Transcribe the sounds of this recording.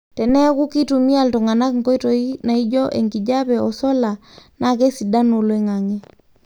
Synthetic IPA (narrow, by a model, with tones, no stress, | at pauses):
tɛ˨nɛ˦ɣu˦ki˦tu˨mi˦a˨ltɔ˨ŋa˨na˦kŋ̩kɔ˦i˦tɔina˨i˦d͡ʒɔ˦ʔɛ˨ŋɡi˨d͡ʒa˦βɛɔ˨sɔ˦la˨na˨ɣɛ˦si˨da˦no˨lwɛ˦ŋaŋɛ˦